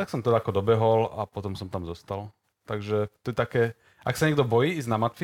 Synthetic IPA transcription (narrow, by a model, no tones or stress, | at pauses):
t̪aksɔmt̪ɛd̪aakɔd̪ɔbɛɦɔla̰pɔt̪ɔmsɔmt̪amzɔst̪al | t̪aɡʒɛt̪ɔjɛt̪akɛː | ʔaksaɲɛɡd̪ɔbɔjiːiznamat̪fi